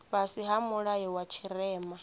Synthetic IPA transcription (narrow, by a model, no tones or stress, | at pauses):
βasiɦamuɺaɦɛwat͡ʃʰiɾɛːma